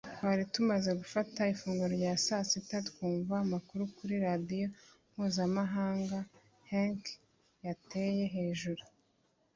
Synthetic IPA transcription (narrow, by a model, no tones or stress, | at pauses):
twaɾitumaze̞ɡufataifuːŋɡuɾoɾɟaːsasitatkuːɱvaːmakuɾukuɾiɾadijo̞ | m̥huːzamaɦaːŋɡa | haŋk | jate̞je̞ɦe̞ːʒuɾu